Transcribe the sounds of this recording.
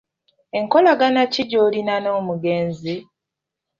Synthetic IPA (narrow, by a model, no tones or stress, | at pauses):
e̞ŋko̞laɡanaciɟoːlinanoːmuɡe̞ːnzi